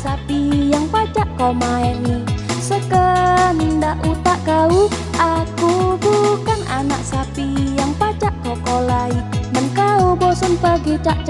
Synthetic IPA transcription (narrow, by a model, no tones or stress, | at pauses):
sapijaŋpat͡ʃaʔkamaɛnisəkənindaʔut̪aʔkauakubukana̰na̰ʔsapijaŋpat͡ʃaʔkɔkolaimənkaubosənpəɡit͡ʃaʔt͡ʃ